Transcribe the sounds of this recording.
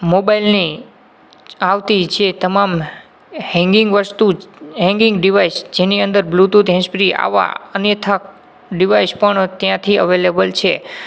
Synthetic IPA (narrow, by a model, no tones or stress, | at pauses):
mobailni | aʋt̪id͡ʒet̪əmam | hɛ̃ŋɡɪ̃ŋɡʋəst̪uɦɛ̃ŋɡɪ̃ŋɡɖiʋaisd͡ʒeniə̃nd̪əɾblut̪ud̪ɦɛ̃spɾia̰ʋa̰ənjət̪ʰak̚ | ɖiʋaispəɳt̪jãt̪ʰiə̰ʋelebəlt͡ʃʰe